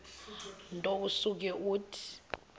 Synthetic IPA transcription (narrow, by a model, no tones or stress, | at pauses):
ntʼousuk̬ɛʔuːtʰi̥